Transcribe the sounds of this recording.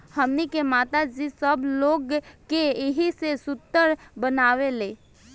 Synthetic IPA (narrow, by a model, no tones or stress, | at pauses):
həmnikemaːt̪ad͡ʒisəbloːɡkeɪɦisesʊt̪ːəɾbənaːʋeleː